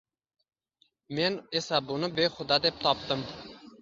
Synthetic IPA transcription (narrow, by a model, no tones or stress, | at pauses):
menesɛbunɨbeχʊd̪ɑd̪ep̚t̪ʰɑp̚t̪ɨm